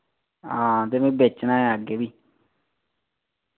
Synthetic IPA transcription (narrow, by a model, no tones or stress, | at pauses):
ãt̪emẽbet͡ʃːnãaɡebi